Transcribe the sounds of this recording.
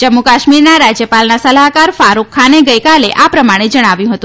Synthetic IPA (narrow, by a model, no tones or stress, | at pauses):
d͡ʒəmːukaʃmiɾnaɾad͡ʒjəpalnasəlaɦkaɾfaɾukʰːaneɡəjkaleʔapɾəmaɽ̃ed͡ʒəɽ̃aʋjũɦət̪ũ